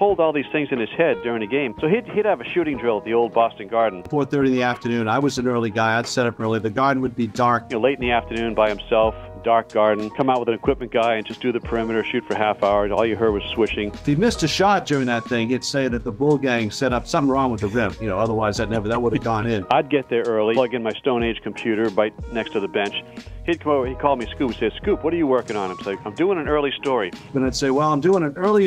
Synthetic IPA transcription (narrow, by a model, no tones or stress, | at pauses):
pʰoʊlˠdɔlˠðiz̥θɪ̃ŋzɨ̃nɨz̥hɛdʊɹɪ̃ŋðɨɡẽɪ̃msoʊidhiɾɨvɨʃʉɾɪ̃ŋdɹɪlˠəvðioʊlˠd̚bɔstn̩ɡɑɹdⁿn̩fɔɹθɜ˞ɾĩn̩ðiæftə˞nʉ̃naɪwʌzn̩ɜ˞lˠiɡaɪaɪd̥sɛɾʌpɜ˞lˠiðɨɡɑɹdⁿn̩wɨd̚bidɑɹk̚leɪɾn̩ðiæftə˞nʉ̃nbaɪhɨ̃m̩sɛlˠfd̥ɑɹk̚ɡ̥ɑɹdⁿn̩kʰʌ̃maʊt̚wəðɨ̃nɨkʰw̥ɪp̚mɨ̃nɡ̥aɪɨ̃nd͡ʒʌsd̥ɨðɨpʰə˞ɪ̃mɨɾə˞ʃʉtfə˞ɦæfaʊə˞zɔ̰lˠjɨɦɜ˞d̚wʌz̥swɪʃɪ̃ŋfimɪstɨʃɑp̚d̥ʊɹɪ̃ŋðɨt̪̚θɪ̃ŋɨd̥seɪ̃ðɨt̪̚ðəbʊlˠɡæ̃ŋsɛɾʌpsʌ̃mθɪ̃ŋɹɔ̃ŋwəðɨɹɪ̃mp̚jɨnoʊʌðə˞waɪzðɨt̚ⁿnɛvə˞ðət̚wʊɾɨvɡɔ̃nɪ̃naɪd̚ɡɛt̪̚ðə˞ɜ˞lˠilʌɡɨ̃nmaɪstõʊ̃neɪd̥ʒ̥kʰm̩pʰj̥ʉɾə˞baɪt̚nɛkstʰɨðɨbɛ̃nt͡ʃhid̚kʰikʰɔlˠmiskupi̥seɪ̥skʉpwʌɾə˞jɨwɜ˞kɪ̃ŋə̃nɨ̃msoʊãɪ̃mdʉɪ̃ŋɨ̃nɜ˞lˠistɔɹiwɨ̃naɪd̥seɪwɛlˠãɪ̃mdʉɪ̃ŋɨ̃nɜ˞lˠi